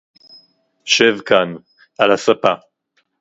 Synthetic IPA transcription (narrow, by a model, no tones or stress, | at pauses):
ʃevkan | ʔalasapa